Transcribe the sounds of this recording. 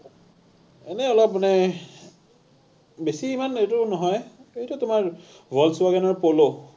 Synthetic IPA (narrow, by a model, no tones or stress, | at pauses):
ɛnɛɔlɔp̚manɛ | besiːmanetʊnɔɦɔjejtʊtʊmaɹ | bʱɔlsʊwaɡɛnɔɹpolo